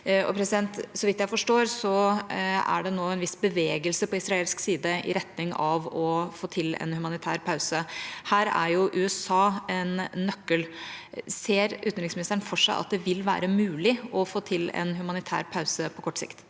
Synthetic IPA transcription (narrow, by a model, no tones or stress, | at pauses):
ɔ̰pʰɾɛsɪd̪ɛnt̪sɔʋɪt̪ːjæɪfɔʂʈoːɾsɔ | æ̰ɖɛnoːɛnʋɪsbəʋeːɡəlsəpɔɪsɾɑeːlsksiːd̪əʔɪ̰ɾɛt̪nɪŋɑʋɔfoːt̪ʰɪlɛ̰nhʉmɑnɪt̪ʰæːɾpʰɑʉsəhæːɾæ̰ɾjʊʔʉːɛsɑːɛnːœkːəl | seːɾʔʉːt̪nɾɪŋsmɪnɪst̪əɾɳnfɔʂæɪʔɑ̰t̪̚d̪ɛʋɪlʋæ̰ːɾəmʉːlɪɔfoːt̪ʰɪlɛ̰nɦʉmɑnɪt̪ʰæ̰ːɾpʰɑʉsəpʰɔkʰɔʈːsɪ̰kt̪